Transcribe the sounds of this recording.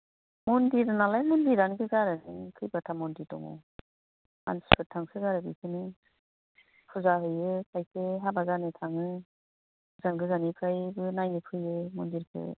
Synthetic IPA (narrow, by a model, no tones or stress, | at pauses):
mundiɾɯnalajmundiɾanɡɯɡaɾɯnɯkʰɯjbatʰamɔnditɔ̰ŋɔ̰ | a̰nspʰɯtʰaŋsɯɡaɾɯbikʰɯni | pʰuzaɦɯjɯkʰajsʰeɦabazanɯtʰaŋɯ | ɯzanɡɯzanipʰɯjbɯnajnipʰɯjɯmundiɾkʰɯ̰